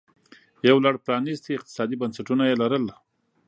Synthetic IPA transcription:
jawlaɽpɾɑnizt̪iɪq̚t̪ɪ̥sɑd̪ibansaʈunajelaɾəl

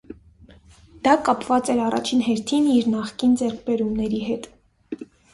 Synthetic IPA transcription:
d̪̥ɑkɑpvɑt͡sɛɾɑrɑ̰t͡ʃʰinɦɛɾt̪ʰiniɾnɑχkind͡zɛɾkʰbɛɾumnɛɾiɦɛt̪

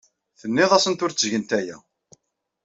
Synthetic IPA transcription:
θənːɪðˤæsənt̪ʊɾt͡sːʝənt̪æjæ̰

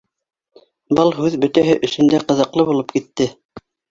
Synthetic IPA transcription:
bɤlˠɦʉðbɵ̆t̪æɦɘʔɵ̆sɵ̆nd̪æqɤ̆ðɤ̆qlˠɤβulˠɤp̚kit̪ːɘ

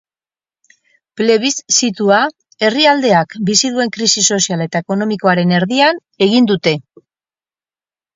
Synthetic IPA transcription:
ple̞βisːit̪ua | e̞riald̪e̞akbisið̞ue̞ŋkɾisiso̞siale̞t̪aeko̞no̞miko̞aɾe̞ne̞ɾðian | e̞ɣ̞ind̪ut̪e̞

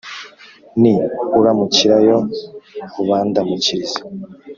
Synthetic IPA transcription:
niuɾamuciɾajo | uβaːndamuciɾizḁ

